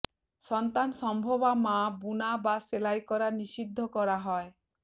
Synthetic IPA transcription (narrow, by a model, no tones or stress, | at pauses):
sɔnt̪anɔsɔmbʱɔbamabunabaselajkɔɾanisid̪ʱːɔkɔɾaɦɔe